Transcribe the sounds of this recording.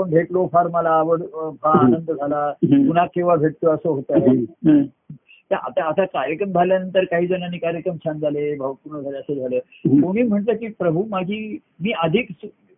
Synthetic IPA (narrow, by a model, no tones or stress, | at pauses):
apəɳbʱeʈlofaɾməlaːʋəɽfaːnənd̪əd͡zʱalapun̤akĩw̃ʋabʱeʈ̚t̪oəsəɦot̪ae | t̪jaʔa̰t̪aət̪akaɾjəkɾəmd͡zʱaljanənt̪əɾkaɦiːd͡zənaniːkaɾjəkɾəmt͡ɕʰand͡zʱalebʱəʋpuɳəd͡zʱaleəsed͡zʱale | koɽ̃iːm̤əɳt̪əkiːpɾəbʱumad͡ʑʱiː | miːəd̪ʱiːks